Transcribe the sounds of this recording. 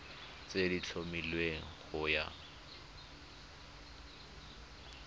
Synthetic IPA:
t͡sedit͡ɬʰomilweŋ̩χʊja̰

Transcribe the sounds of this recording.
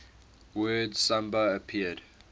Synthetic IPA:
wɜdsãmbəːpʰiəd

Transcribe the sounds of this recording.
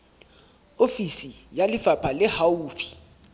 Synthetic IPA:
ofisijalɪfapʰalɛhauːfʰi̥

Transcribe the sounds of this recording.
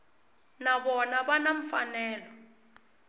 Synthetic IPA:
naɓɔnaɓanaɱ̩fanɛːlɔ

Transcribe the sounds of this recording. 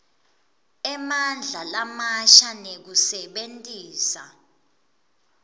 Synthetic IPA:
ɛmand͡ɮʱalamaʃanek̬usɛɓentʼiːsa

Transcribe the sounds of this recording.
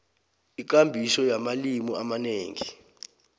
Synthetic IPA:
ik̬ambʱisɔjamalimuamaneːŋi

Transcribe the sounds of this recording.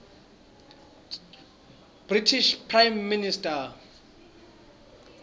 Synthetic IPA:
b̥ritʰiʃpʰrajmːinistʰʼa

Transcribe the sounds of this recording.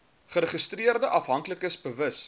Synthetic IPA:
χəɾəχəstriərdəʔɐfɦɐŋkləkəsbəvəs

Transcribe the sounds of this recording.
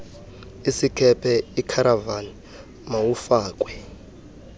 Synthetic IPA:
isikʰɛpʰɛikʰaɾavani | mawufaːk̬ʼwɛ

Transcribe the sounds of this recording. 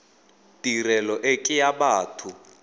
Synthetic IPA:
tʼirɛlɔʔekʼɪjaɓaːtʰu

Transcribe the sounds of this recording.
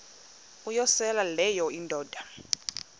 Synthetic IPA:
ujɔsɛlalɛjɔindʱɔːd̥ʱa

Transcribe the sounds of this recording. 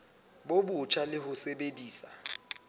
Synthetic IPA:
bobʊt͡ʃʰalɪɦʊsebediːsa

